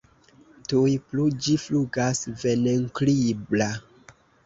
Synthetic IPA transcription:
tujplud͡ʒifluɡasveneŋklibla

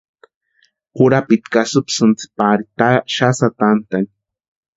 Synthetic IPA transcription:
pʊɾapit̪kasupsɨnt͡si̥paɾit̪aʃasat̪ant̪an

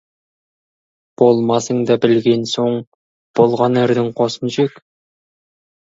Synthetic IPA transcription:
b̥o̞lˠmɑsəɴd̪ɑbɪlɡʲe̞nsoɴ | b̥olˠʁɑnɪɾd̪ɪŋqʰosənʒek

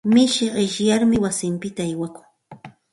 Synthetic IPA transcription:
mɪʃɪɢɪʃjaɾmɪwasɪmpɪt̪aːjwakʊ̥ŋ

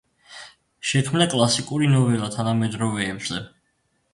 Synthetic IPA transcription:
ʃɛkʰmnakʼlˠasikʼuɾinɔvɛlat̪ʰanamɛd̪ɾɔvɛːbz̥ɛ

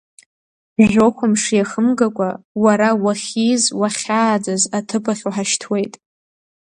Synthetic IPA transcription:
ʒʷᶣokʷamʂijaχəmɡakʷʼawaɾawaχʲizwaχʲaːd͡zazatʰɨpʰaχʲoħaʃtʰwe̞jtʼ

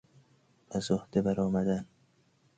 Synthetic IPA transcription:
æzohd̪̥ebæɾɒːmæd̪æn

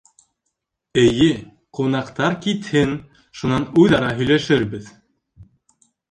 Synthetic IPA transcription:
ɘ̆jɘ | qunɑqt̪ɑɾkit̪hɘn | ʃunɑnujðɑɾɑɦɵ̆jlæʃɘɾbɘð

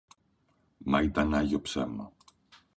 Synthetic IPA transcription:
mɐit̪ɐnɐʝo̞pse̞mɐ̰

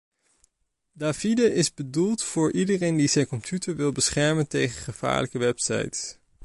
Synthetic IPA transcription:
daːvidəʔɪzbədulˠtfʊːɹʔidərejndizɛjnkɔmpʰjutəɹʋɪlˠbəsχɛɹməntejχəχəv̥a̰ːɹləkəʋɛpsɑ̰jts

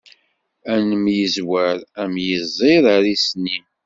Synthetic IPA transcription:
ænəmjəzwæɾæmjəzˤeɾaɾisnim

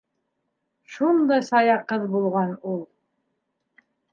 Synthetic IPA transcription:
ʃund̪ɑjsɑjɑqːɤðbulˠʁɑnulˠ

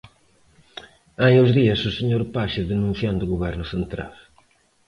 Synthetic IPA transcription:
ajozðiɐsʊseɲoɾpaʃɪðenũn̟θjãnd̪ʊɣoβɛɾnʊsent̪ɾa̰l

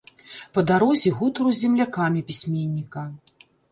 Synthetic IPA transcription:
pɐd̪aɾɔzʲiɣut̪ɾuzʲɛmlʲakamʲipʲisʲmʲenʲːikɐ

